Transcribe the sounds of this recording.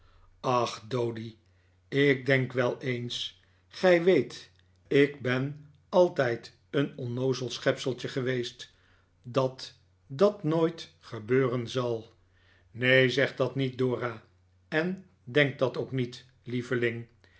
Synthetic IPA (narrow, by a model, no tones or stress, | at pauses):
ɑχdowdi | ɪk̚dɛŋkʋɛlˠejns | χɛjʋejt | ɪkbɛn | ɑlˠtɛjt | ənɔnowzəlˠsχɛpsəlˠtəχəʋejst | dɑt | dɑtnoːjt | χəbøːrənzɑlˠ | nejzɛχdɑtnit̚dʊːraː | ɛn | dɛŋk̚dɑtoʊwknit | livəlɪŋ